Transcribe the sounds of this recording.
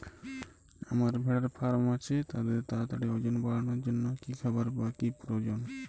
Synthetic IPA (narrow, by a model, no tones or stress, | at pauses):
a̰maɾbʱɛɽaɾfʰaɾmat͡ɕʰet̪ad̪eɾt̪at̪aʈeɔd͡ʑonbaɽanoɾd͡ʑonːokikʰabaɾbakipɾod͡ʑon